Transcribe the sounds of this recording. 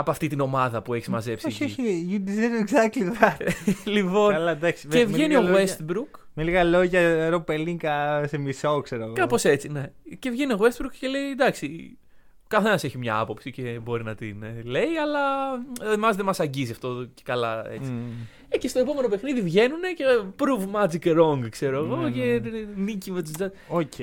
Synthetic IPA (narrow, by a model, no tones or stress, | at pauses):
ɐpoɐft̪it̪ino̞mɐðɐpue̞çizmɐze̞psoçeijud̪izeɾeɡzɐkt̪liɐlipo̞nlɐd̪aksievenioɣwest̪bɾukmeliɣɐlo̞ʝɐɾopeliŋkɐsemisokseɾoɐɣokɐpo̞se̞t͡sine̞ce̞vʝe̞nioɣwe̞st̪bɾukce̞leid̪ɐksi | kɐθe̞nɐse̞çimɲɐ̰ɐ̰po̞psice̞bo̞ɾinɐt̪ḭnle̞iɐlɐemɐzðe̞mɐsɐɲɟiziɐft̪o̞cekɐlɐ̰e̞̰t͡si | ecest̪o̞e̞po̞me̞no̞pe̞xniðivʝe̞nune̞cepɾuvmɐd͡zikɾo̞ŋɡkse̞ɾoɐɣo̞ce̞nicimet̪uzd͡zɐ | oc